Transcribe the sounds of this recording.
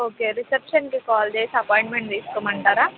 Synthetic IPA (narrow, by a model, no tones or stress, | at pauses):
oːkeːɾisepʂɐnkikaːld̪eːsɐpaːjɳʈmeɳʈd̪iːskomɐɳʈaːɾaː